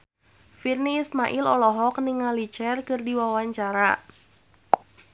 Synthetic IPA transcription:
firniːsmaʔilɔlɔɦɔk̚niŋalit͡ʃɛrkɨrdiwawaɲt͡ʃaɾa

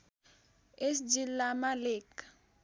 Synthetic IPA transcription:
esd͡ʒilamaleːkḁ

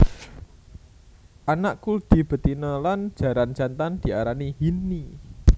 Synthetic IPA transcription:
ʔanaʔkuld̪̥i̤b̥ə̤t̪inəlan̥ʒ̥a̤ɾan̥d͡ʒant̪and̪̥i̤aɾaniɦini

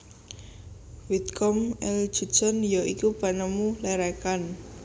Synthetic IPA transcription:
wit̪̚kɔmɛl̥ʒ̥ṳ̥t͡ʃɔnjɔʔikupanəmulɛɾɛkan

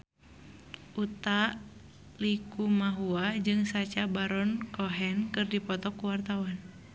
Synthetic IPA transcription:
ʔut̪a | likumaɦuad͡ʒɨŋsat͡ʃabaɾɔnkɔɦɛnkɨrdipɔt̪ɔkːuwart̪awan

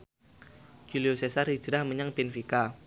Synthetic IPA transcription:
d͡ʒ̥uliosesarhi̥d͡ʒəɾahməɲaŋpɪnfika

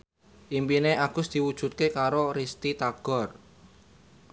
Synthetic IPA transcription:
ʔimpineʔaɡ̥ʊsd̪̥i̤wud̥ʒ̥ṳt̪̚kekaɾoɾist̪it̪aɡ̥ɔ̤r

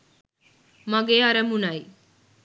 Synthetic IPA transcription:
mɐɡeːɦɐɾɐmunɐi

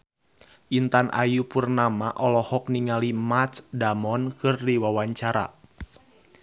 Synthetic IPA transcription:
ʔint̪anʔa̰jupurnamaʔɔlɔhɔk̚niŋalimat̪sdamɔnkɨrdiwawaɲt͡ʃaɾa̰

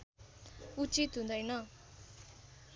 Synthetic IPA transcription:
ut͡sit̪ɦũnd̪ʌjnʌ

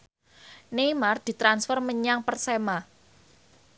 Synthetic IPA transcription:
nejmard̪̥i̤t̪ɾansfɔrməɲaŋpərsema

